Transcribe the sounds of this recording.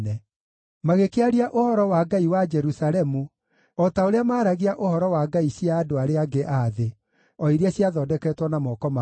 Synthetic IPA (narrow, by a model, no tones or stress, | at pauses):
nɛ | maɣekeaɾiaʔohɔɾɔwaɡaiwad͡ʒɛɾusaɾɛmu | ɔtaoɾeamaːɾaɣiaʔohɔɾɔwaɡaiɕiaːdoaɾeaɡeʔaðe | ɔiɾeaɕjaðɔːdɛkɛtwɔnamɔkɔma